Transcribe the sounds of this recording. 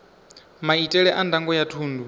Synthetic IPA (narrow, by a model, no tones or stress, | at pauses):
maitʼɛɺɛʔandaŋɡɔjatʰuːndu